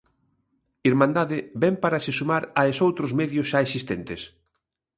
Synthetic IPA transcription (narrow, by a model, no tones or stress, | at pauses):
iɾmãnd̪aðɪbɛmpaɾasɪsumaɾaesowt̪ɾozmɛðjʊsʃaesist̪ɛnt̪es